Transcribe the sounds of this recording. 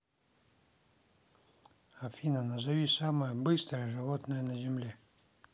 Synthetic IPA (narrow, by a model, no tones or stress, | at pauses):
ɐfʲinənɐzɐvʲisaməjəbɨst̪ɾəjəʐɨvot̪nəjənɐzʲɪmlʲe